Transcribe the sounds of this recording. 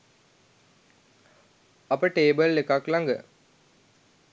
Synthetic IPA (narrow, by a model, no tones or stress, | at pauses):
ɐpəʈeːbəlːekaklaŋɡə̰